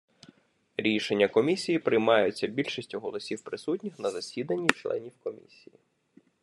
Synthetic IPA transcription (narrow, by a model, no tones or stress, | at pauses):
ɾʲiʃenʲːɐkɔmʲisʲijipɾɪjmɑjʊt͡sʲːɐbʲilʲʃisʲtʲʊɦɔlˠɔsʲiwpɾɪsutʲnʲixnɐzɐsʲid̪ɐnʲːit͡ʃlˠɛ̰nʲiwkɔmʲḭsʲiji